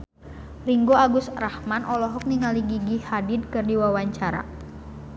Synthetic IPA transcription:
riŋɡoaɡʊsrahmanɔlɔɦɔk̚niŋaliɡiɡihadid̚kɨrdiwawaɲt͡ʃaɾa̰

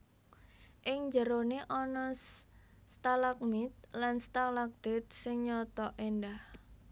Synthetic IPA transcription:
ʔɪŋd͡ʒəɾoneʔɔnɔ | st̪alak̚mit̪̚lanst̪alak̚d̪̥e̤t̪̚sɪŋɲɔt̪ɔʔendah

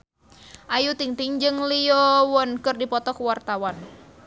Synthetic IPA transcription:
ʔajut̪iŋt̪iŋd͡ʒɨŋliɔwɔnkɨrdipɔt̪ɔkuwart̪awan

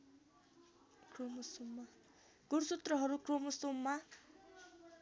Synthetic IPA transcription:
kromʌsumːa | ɡ̥ursut̪rʌɦʌɾukromʌsumːa

